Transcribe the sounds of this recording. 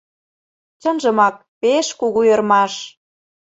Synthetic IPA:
t͡ɕə̆nʒə̆mɑk̚peʃkuɣujɤ̆rmɑʃ

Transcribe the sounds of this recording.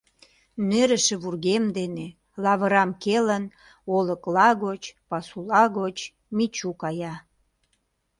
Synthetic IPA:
neɾə̆ʃĕβurɣemd̪ene | lɑβəɾɑmkelən | oləklɑɣot͡ɕpɑsulɑɣot͡ɕ | mit͡ɕukɑjɑ

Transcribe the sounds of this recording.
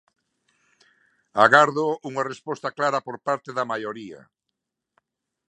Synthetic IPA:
aɣaɾðoʔuŋarespɔst̪aklaɾɐpoɾpaɾt̪eðɐmajoɾia̰

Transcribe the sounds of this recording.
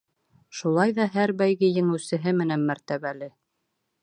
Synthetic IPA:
ʃulˠɑjðɑɦæɾbæjɡɘjɘ̆ŋɘ̆wsɘ̆ɦɘmɘ̆nænmæɾt̪æβælɘ

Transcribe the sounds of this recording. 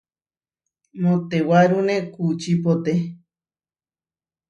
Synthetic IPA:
mõt̪ewaɾunẽkut͡ʃipot̪e

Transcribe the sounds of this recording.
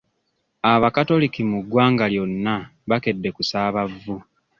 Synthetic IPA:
aβakato̞likimuɡwaːŋɡaljo̞nːaβake̞dːe̞kusaːβavːu

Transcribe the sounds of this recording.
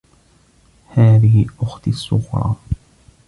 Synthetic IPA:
haːðɪhɪʔʊxt̪sːʊ̰ɣɾˤɑ̰ː

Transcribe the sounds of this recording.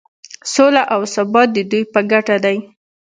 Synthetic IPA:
solaʔawsabɑt̪̚d̪əd̪ujpəɡaʈad̪aj

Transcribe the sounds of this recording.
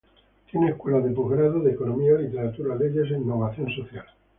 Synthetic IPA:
t̪jeneːhkwe̞laðepoɣɾaðoðekonomiaolit̪eɾat̪uɾaleʝes̬einːo̞β̞aθjo̞nsoθjal

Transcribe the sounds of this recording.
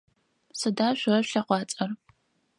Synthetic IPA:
sɨdaːʃʷʊrɐɕɬɐqʷɑːt͡sʼɐr

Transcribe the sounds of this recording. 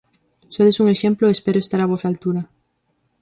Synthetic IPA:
soðesuŋeʃẽmploespeɾoest̪aɾaβ̞osalt̪uɾa

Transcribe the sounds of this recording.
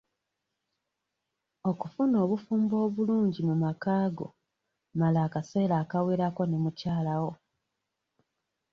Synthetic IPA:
o̞kufuno̞ːβufuːmbo̞ːβuluːɲɟimumakaːɡo̰ | malaːkaseːlaːkaweːɾako̞nemucaːlawo̞

